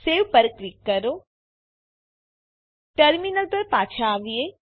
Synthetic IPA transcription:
seʋpəɾklikːəɾo | ʈəɾminəlpəɾpaːt͡ʃʰaːʋie

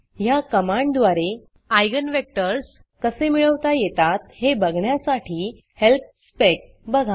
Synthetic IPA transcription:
jakəmãɳɖd̪ʋaɾe | ajɡənʋek̚ʈəɾs | kəsemiɭəʋt̪ajet̪at̪hebəɡʱɳjasaʈʰiː | help̚spek̚ | bəɡʱa

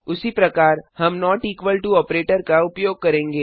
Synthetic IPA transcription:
ʊsipɾɐkaːɾhɐmnɔːʈiːkʋəlʈuɔːpɾeːʈəɾkaʊpjoːɡ̚kɐɾẽːŋɡeː

